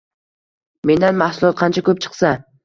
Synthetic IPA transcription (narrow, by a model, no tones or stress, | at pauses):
me̞nd̪anmahsʊlˠɒt̪̚qʰɑnt͡ʃʰakɵp̚t͡ʃʰɨ̥qsa